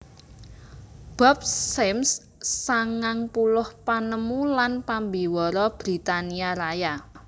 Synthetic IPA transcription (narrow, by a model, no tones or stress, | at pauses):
b̥a̤p̚sɛmsː | aŋaŋpulʊhpanəmulanpambiwɔɾɔb̥ɾit̪aniaɾaja